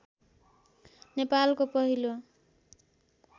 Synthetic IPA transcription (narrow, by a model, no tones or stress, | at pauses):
nepalkopʌɦilo